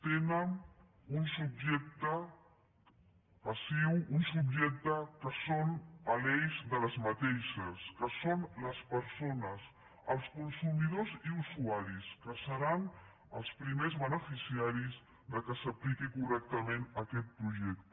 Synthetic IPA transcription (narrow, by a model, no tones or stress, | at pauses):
t̪enən | unsub̚ʒɛk̚t̪ə | pəsiwunsubʒɛk̚t̪əkəsonəlɛjzðələzmət̪eʃəskəsonləspəɾsonəs | əlˠskunsumiðoziusuaɾiskəsəɾan | əlˠspɾimezβənəfisiaɾiz | ðəkəsəplikikurɛk̚t̪əmenəkɛt̪̚pɾuʒɛk̚t̪